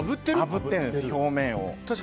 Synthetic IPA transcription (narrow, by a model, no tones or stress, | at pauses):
bɯ̟t̪ːeɾabɯ̟t̪ːẽnd̪esɨço̞ːmẽ̞ɰ̃o̰t̪aɕi̥